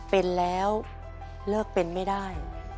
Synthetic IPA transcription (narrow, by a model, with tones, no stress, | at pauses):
pe˧nlɛː˦˥w | lɤː˥˩k̚pe˧nma˥˩jdaː˥˩j